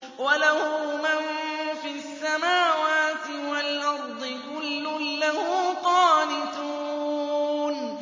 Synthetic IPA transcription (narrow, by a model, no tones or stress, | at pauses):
walahʊmanfiːasːamaːwaːt̪ɪwalʔɑɾˤd̪ˤɨkʊlːʊlːaɦʊːqɑːnɪt̪uːn